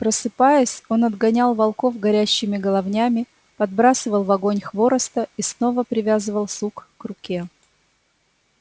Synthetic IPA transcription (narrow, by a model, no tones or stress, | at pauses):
pɾəsɨpajɪsʲo̞nɐd̪ɡɐnʲalˠvɐlˠko̞vɡɐɾʲæɕːɪmʲɪɡəlˠɐvnʲamʲɪ | pɐd̪̚bɾasɨvəlˠvɐɡo̞nʲxvo̞ɾəst̪əisno̞vəpɾʲɪvʲazɨvəlˠsukːrʊkʲe